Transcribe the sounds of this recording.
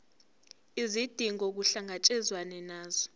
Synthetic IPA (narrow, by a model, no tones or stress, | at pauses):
izid̥ʱiŋok̬uɬaŋat͡ʃʼɛzwanɛnaːzɔ